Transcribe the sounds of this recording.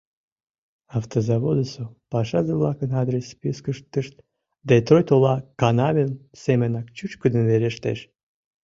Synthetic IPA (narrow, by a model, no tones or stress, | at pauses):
ɑft̪ozɑvod̪əsopɑʃɑzəblˠɑkənɑd̪ɾʲespʲiskəʃt̪ːəʃt̪̚ | d̪et̪ɾojt̪olˠɑkɑnɑvʲensemʲenɑk̚t͡ɕut͡ɕkɨd̪ənveɾeʃt̪ḛʃ